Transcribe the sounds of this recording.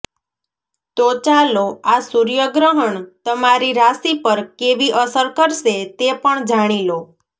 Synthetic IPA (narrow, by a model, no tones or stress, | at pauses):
t̪ot͡ʃaloasuɾjəɡɾəɦəɳt̪əmaɾiɾasipəɾkeʋiʔəsəɾkəɾʃet̪epəɳd͡ʒaɽ̃ilo